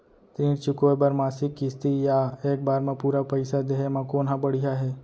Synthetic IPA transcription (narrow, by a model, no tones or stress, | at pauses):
t̪ĩːɾt͡ʃʊkoebəɾmaːsɪkːɪst̪ijaeːk̚baːɾmẽpuːɾapəɪsad̪eːɦemãkoːnɦãbəɽiɦaɦɛː